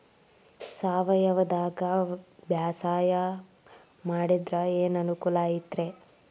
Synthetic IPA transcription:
saːʋɐjɐʋɐd̪aːɡɐbjaːsaːjɐ | maːɽid̪ɾɐeːnɐnukulaːjit̪ɾe

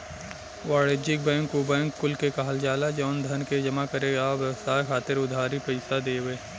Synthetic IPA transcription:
waːɽed͡ʒɪk̚bɛ̃ːŋkːobɛ̃ːŋkːʊlkekaɦəld͡ʒaːlad͡ʒɔːnd̪ʱɐnked͡ʒɐmakɐɾeːɡaʋjɛwsaːkʰaːt̪ɪɾʊd̪ʱaːɾipɐɪsad̪eːweː

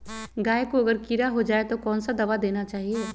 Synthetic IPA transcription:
ɡaːekoɐɡəɾkiɾaɦod͡ʒaːet̪okɔːnsad̪ɐʋad̪eːnat͡ʃaːɦieː

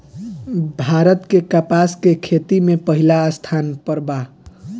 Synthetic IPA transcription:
bʱaɾət̪kekəpaskekʰet̪imepəɦilaːst̪ʰanpəɾba

